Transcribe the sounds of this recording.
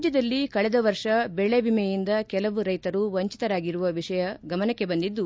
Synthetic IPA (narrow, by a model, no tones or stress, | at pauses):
d͡ʒjɐd̪ɐlːikɐɭɛd̪ɐʋɐɾʂɐbɛɭebimɛjind̪ɐkɛlɐʋuɾɐjt̪ɐɾuʋɐɲt͡ʃi̥t̪ɐɾaːɡiɾuʋɐʋiʂɐjɐɡɐmɐnɐkːe̞bɐnd̪id̪ːu